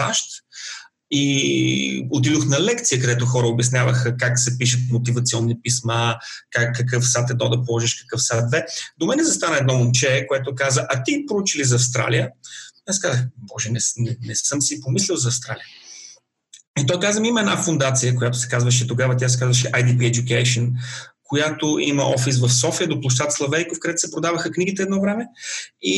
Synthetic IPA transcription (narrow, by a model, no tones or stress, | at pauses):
sa̰ʃt̪ | i | ot̪̬id̪oxnɐlɛkt̪sijəkɐd̪ɛt̪ʊxɔɾəobjɛɐsnʲavəxəkaksɛpiʃ̬ət̪mot̪ivɐt̪siɔnːipismakakːɐkɤfsat̪ɛd̪ɔd̪ɐpolˠɔʒiʃkɐ̥kɤfsat̪d̪vɛd̪omɛnɛzɐst̪anəɛd̪nɔmomt͡ʃɛkoɛt̪okazəʔɐt̪ipɾout͡ʃilizɐɐfst̪ɾa̰lijəasɛ̥kazəxbɔʒɛnɛsnɛnɛsɤmsipomislʲɛlˠzɐːfst̪ɾalijə | it̪ɔjkazvəmiimɐɛd̪nafond̪at̪sijəkojat̪ʊsɛ̥kazvɐʃ̬ɛt̪oɡavət̪̬ʲjas̬ɛ̥kazvɐʃ̬ɛʔajd̪ipiɛd͡ʒjukɛʃonkojat̪oʔḭmɐ̰ʔɔfis̬vɐfsɔfiəd̪oplˠoʃ̬t̪at̪slˠɐvɛjkofkɐd̪ɛt̪ʊ̥sɛpɾod̪avəxəkniɡit̪ɛd̪nɔvɾɛmɛi